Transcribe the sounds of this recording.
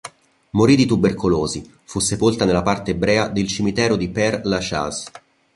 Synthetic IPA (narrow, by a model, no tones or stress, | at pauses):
moɾid̪it̪uberkuloːzi | fusːepolt̪anelːapart̪eːbɾɛːad̪elt͡ʃimit̪ɛːɾod̪ipɛrlat͡ʃa̰z